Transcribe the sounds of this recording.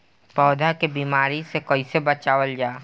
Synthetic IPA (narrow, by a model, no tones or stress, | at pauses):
pɔːd̪ʱakebiːmaːɾisekoisebət͡ʃaːʋəld͡ʒaː